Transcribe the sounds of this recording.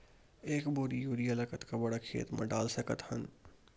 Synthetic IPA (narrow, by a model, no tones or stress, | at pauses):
eːkboːɾijuːɾijəlɐkət̪kabɐɽakʰḛːt̪mʔɐ̰̃ɖaːlsɐkət̪hɐn